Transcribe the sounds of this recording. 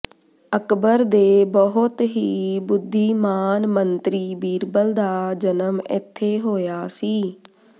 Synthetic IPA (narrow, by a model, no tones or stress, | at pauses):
əkbəɾd̪eːbəɦʊt̪ɦiːbʊd̪ʱːiːmaːnmənt̪ɾiːbiːɾbəld̪aːd͡ʒənəmɪ̰t̪ʰːeːɦoːjaːsiː